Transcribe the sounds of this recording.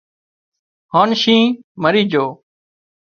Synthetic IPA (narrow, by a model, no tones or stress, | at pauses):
hoːnʃĩːməɾiːd͡ʒoː